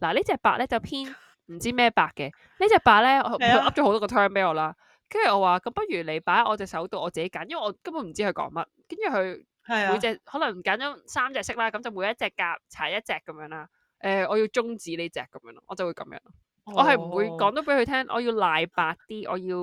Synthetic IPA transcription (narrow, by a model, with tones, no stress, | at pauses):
laː˨˩ne˥t͡sɛː˨˧k̚paː˧k̚lɛː˥t͡sɐ˨wpʰiː˥n | m̩˨˩t͡siː˥mɛː˥˩paː˨kːɛ˧ | ne˥t͡sɛː˨˩paː˧k̚lɛː˥ɔ˨˧˨o˧ʔɐ˥p̚t͡ʃɔː˨˧˥o˧wt̪ɔː˥ɔ˧t̪ʰœː˥npe˨˥jɔː˨˧laː˥ | kɐ˥jy˨˩ʔɔː˨˧waː˨˩kɐ˨˧˥mpɐ˥t̚ɥyː˨˩le˨˧jpaː˨˥jʔɔː˨˧t͡sɛː˨˧ksɐ˨˥wt̪o˧wʔɔː˨˧t͡siː˨ke˨˦jkaː˨˥njɐ˥wɐ˨˩ʔɔː˨˧kɐ˥mu˨˧˥m̩˨˩t͡si˥ɵ˧jkɔ̰ː˨˥ŋmɐ˥t̚kɐ˥njyː˨˩kɵ˨˧ɥ | mu˨˧jt͡sɛː˨k̚hɔ˨˥lɐ˨˩ŋ˨˩kaː˨˥nt͡ʃɔː˨˥saː˥mt͡sɛː˨k̚sɪ˥k̚laː˥kɐ˨˥mt͡sɐ˨wmuː˨˧jɐ˥t̚t͡sɛː˨kːaː˧p̚t͡sʰaː˨˩jɐ˥t̚t͡sɛː˨kːɐ˨˦mjœː˨˧˥ŋlaː˧ | ʔɛː˧ʔɔː˨˧jiː˧wt͡sʊ˥ŋt͡siː˨˥ne˥t͡sɛ̰ː˨kːɐ˨˧˦mjœː˨˧˥lɔ˧ʔɔː˨˧t͡sɐ˨wu˨˧jkɐ̰˨˧˦mjœ̰ː˨˧ŋɔ˧ | ɔː˨˧ɦɐ˨jm̩˨˩wuː˨˧jkɔː˨˥ŋt̪o˨˥wpe˨˧jhɵ˧t̪ʰɛː˥ŋʔɔ̰ː˨˧ji˧wlaː˨˧jpaː˧k̚t̪iː˥ʔɔ̰ː˨˧jiː˧w